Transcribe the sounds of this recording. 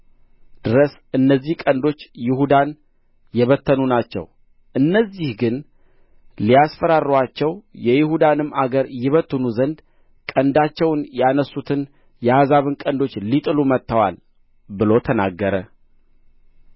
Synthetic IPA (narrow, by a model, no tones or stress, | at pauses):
d̪̥ɨɾəs | ɨnːəzːihkʼənd̪o̞t͡ʃːjɪhud̪an | jɛβət̪ːənunat͡ʃːɛ̰w | ʔɨnːəzːihɡɨn | lijasfəɾarːɨwat͡ʃːɛwjɛjɪhud̪anɨmːaɡəɾjɪβət̪ːɨnuzənd̪ | kʼənd̪at͡ʃːɛwnjanəsːut̪ʰɨn | jɛhazaβɨnkʼənd̪o̞t͡ʃːlit̪ʼɨlumət̪ːəwal | bɨlo̞t̪ʰəna̰ɡːəɾə